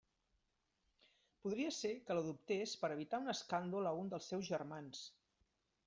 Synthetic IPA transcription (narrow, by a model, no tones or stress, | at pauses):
puðɾiəsekələðup̚t̪espəɾəβ̞it̪aunəskand̪uləund̪əlˠsːɛwzʒərmans